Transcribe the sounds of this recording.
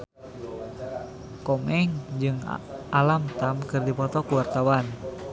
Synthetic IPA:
kɔmɛŋd͡ʒɨŋʔalamt̪amkɨrdipɔt̪ɔkuwart̪awan

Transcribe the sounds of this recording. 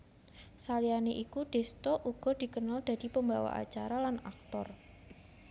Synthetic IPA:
salianeʔikuɖ̥ɛ̤st̪ɔʔuɡ̥ɔ̤d̪̥i̤kənald̪̥a̤d̥̪i̤pəmbawa̰ʔa̰t͡ʃaɾalana̰k̚t̪ɔ̰r

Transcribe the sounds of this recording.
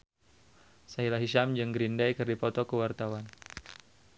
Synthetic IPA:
saɦilaɦiʃamd͡ʒɨŋɡɾindajkɨrdipɔt̪ɔkəwart̪awan

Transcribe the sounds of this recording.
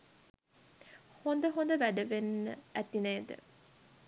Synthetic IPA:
hond̪əɦond̪əʋæɖəʋenːəæt̪inejd̪ə̰

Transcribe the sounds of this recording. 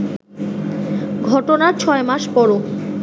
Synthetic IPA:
ɡʱɔʈonaɾt͡ɕʰɔemaʃpɔɾo

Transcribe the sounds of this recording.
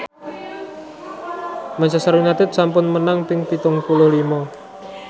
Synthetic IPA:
maɲt͡ʃasaɾunat̪ɪt̪̚sampʊnmənaŋpɪŋpit̪ʊŋpulʊhlimɔ

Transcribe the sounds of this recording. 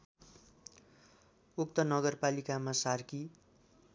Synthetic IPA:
uk̚t̪ʌnʌɡʌrpalikamasarki

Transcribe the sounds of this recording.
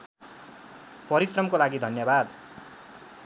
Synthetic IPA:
pʌɾisrʌmkolaɡid̪ʱʌnjʌbad̪

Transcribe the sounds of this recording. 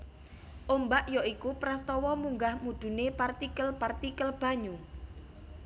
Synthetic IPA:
ʔombaʔjɔʔikupɾast̪ɔwɔmuŋɡahmud̪̥ṳnepart̪ikəlpart̪ikəlb̥a̤ɲu

